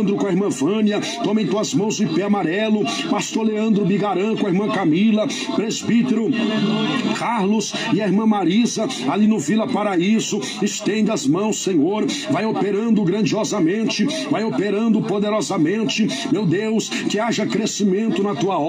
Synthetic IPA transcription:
nd̪ɾʊkõeɾmɐ̃vɐ̃niɐ | t̪õmẽj̃t̪uɐzmɐ̃w̃zʊipɛamaɾɛlʊ | past̪oɾleɐ̃nd̪ɾʊbiɡaɾɐ̃kõeɾmɐ̃kamilɐ | pɾezbit̪eɾʊ | kʰaɾlʊs | ɪɐeɾmɐ̃maɾizɐ | alinʊvilɐpaɾaizʊ | ɪst̪ẽnd̪ɐzmɐ̃w̃sːẽɲoɾ | vajopeɾɐ̃nd̪ʊɡɾɐ̃d͡ʒiɔzɐmẽnt͡ʃɪ | vajopeɾɐ̃nd̪ʊpod̪eɾɔzɐmẽnt͡ʃɪ | mewd̪ews | kɪaʒɐkɾesimẽnt̪ʊnɐt̪uɐɔ

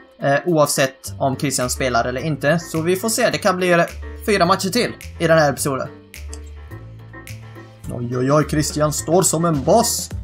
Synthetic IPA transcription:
ʔuːɑːvsɛt̪ːɔmkʰɾɪst̪ɪjanspeːlaɾʔɛlːəɾɪnt̪əsɔvɪfoːʂeːd̪ɛkʰanblifyːɾamat̪ːʃəʈʰɪlːɪd̪ɛnhæɾpɛ̥suːd̪ə̰n | ɔ̰jɔjɑːɡkʰɾɪst̪ɪjanst̪oːɾsɔmɛnbɑːs

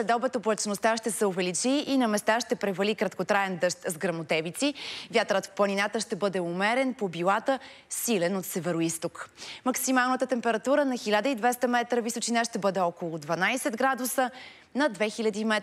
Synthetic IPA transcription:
slɛd̪ɔbɛt̪oblˠət͡ʃnost̪aʃt̪ɛsɛoʊvɛlit͡ʃiːnɐmɛst̪aʃt̪ɛpɾɛvɐlikɾɐt̪kot̪ɾaɛnd̪əʃt̪zɡɾɐmot̪ɛvit̪sivʲjat̪ɾət̪fplˠɐninat̪əʃt̪ɛbɤd̪ɛumɛɾɛnpobilˠat̪ə | silɛnot̪sɛvɛɾoist̪okmɐksimalˠnət̪ət̪ɛmpɛɾɐt̪uɾənɐxilʲad̪əid̪vɛst̪əmɛt̪ɾəvisot͡ʃinaʃt̪ɛbɤd̪ɛɔkolˠʊd̪vɐnajsɛd̪ɡɾad̪usə | nɐd̪vɛxilʲɐd̪imɛ

